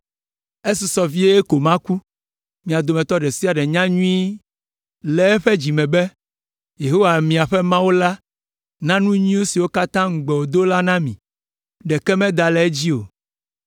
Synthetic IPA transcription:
e˦si˨sɔ˨vi˦e˦e˦ko˨mã˦ku˦ | mĩ˨a˨d̪o˨mɛ̃˨t̪ɔ˦ɖɛ˨si˦a˨ɖɛ˨ɲã˦ɲũ˦i˦ | lɛ˨ɛ˦ɸɛ˦d͡ʑi˨mɛ̃˨bɛ˦ | je˨ɦo˦wa˨mĩ˨a˨ɸɛ˦mã˦wo˦la˦ | nã˦nũ˦ɲĩ˦wo˦si˨wo˦ka˦t̪ã˦ŋ̩˦ɡ͡bɛ˨wo˨d̪o˦la˦nã˦mḭ̃˨ | ɖɛ˨kɛ˦mɛ̃˦d̪a˨lɛ˦e˦d͡ʑi˦o̰˨

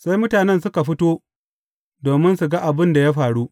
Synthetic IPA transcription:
sa˦jmʊ˦taː˨nɛ˦nsʊ˦ka˨ɸɪ˦toː˦ | doː˨mɪ˦nsu˨ɡa˦ʔa˨bɪ˦nda˨ja˦ɸaː˨ɽu˦ʔ

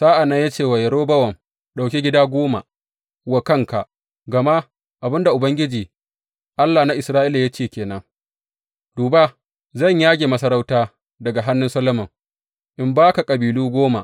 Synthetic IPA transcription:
saː˦ʔa˨nɐ˦ɲja˦t͡ʃeː˦˨wɐ˨jɐ˨ɾoː˦bɐ˦wɐ˨ŋ | ɗa˨wkʲi˦ɡʲɪ˦daː˦ɡʷoː˦ma̰˨ | wa˨kɐ˦ŋka˨ʔ | ɡɐ˨ma˦ | ʔa˨bɪ˦nda˨ʔʊ˨bɐ˦ŋɡʲɪ˦d͡ʒiː˨ | ʔa˦lːa˨na˦ʔɪ˨sɾaː˦ʔɪ˦la˨ja˦t͡ʃeː˦˨kʲeː˨nɐ˦ŋ | d̥uː˨ba˦ | zɐ˦˨ɲjaː˦ɡʲeː˨mɐ˦sɐ˦ɾa˦wtaː˦ | dɐ˨ɡa˨ɦa˦nːʊ˦nsɐ˦lɐ˦mɐ˨ŋ | ʔɪ˨mbaː˦ka˨kʼɐ˨biː˨luː˦ɡʷoː˦ma̰˨ʔ

